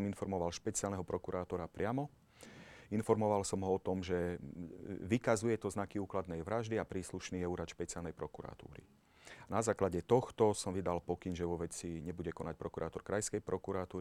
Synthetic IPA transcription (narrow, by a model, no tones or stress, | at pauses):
minfɔɾmɔʋalʃpɛt͡sɪalnɛɦɔpɾɔkuɾaːt̪ɔɾapɾɪamɔ | infɔɾmɔʋalsɔmɦɔɔt̪ɔmʒɛ | ʋikazujɛt̪ɔznakiuːklad̪nɛjʋɾaʒd̪iapɾiːsluʃniɛuɾat̪ʃpɛt͡sialnɛjpɾɔkuɾa̰t̪ṵːɾḭ | anazaːklaɟɛt̪ɔxt̪ɔsɔmʋid̪alpɔkinʒɛʋɔʋɛt͡siɲɛbuɟɛkɔnac̚pɾɔkuɾaːt̪ɔɾkɾajskɛjpɾɔkuɾat̪uːɾi